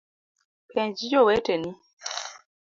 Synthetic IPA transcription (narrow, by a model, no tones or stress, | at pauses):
pɛ̃d͡ʒid͡ʒɔwɛtɛni